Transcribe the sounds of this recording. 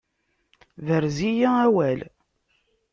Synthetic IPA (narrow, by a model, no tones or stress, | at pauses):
ðəɾzijææwæl